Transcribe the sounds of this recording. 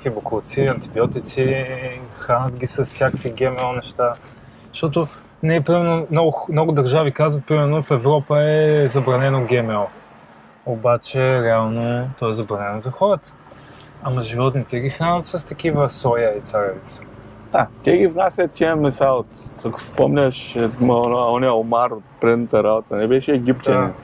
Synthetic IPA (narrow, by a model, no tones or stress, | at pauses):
xibʊkut̪siɐnt̪ibiɔt̪it̪si | xɾanət̪ɡʲisɐssʲakəkviɡɛmɛlˠnɛʃt̪a | ʃt̪ɔt̪ʊ | nɛpɾimɛɾnomnɔɡʊmnɔɡʊd̪ɐɾʒavikazvət̪̚pɾimɛɾnofɛvɾɔpəɛzɐbɾɐnɛnoɡʲɛmɛlˠ | obat͡ʃɛɾɛalˠnot̪ɔɛzɐbɾɐnɛnozɐxɔɾət̪ə̥ | ɐmɐʒivɔt̪nit̪ɛɡʲixɾanət̪səst̪ɐk̟ivəsɔjait̪saɾɛvit̪sə̥ | at̪ʲɛɡʲivnasʲət̪ʲːiəmɛsaot̪akʊ̥spɔmnʲəʃɛmanɔnɛomaɾot̪̚pɾɛd̪nət̪əɾabot̪ənɛbɛʃɛːɡʲipt̪ʲjɐni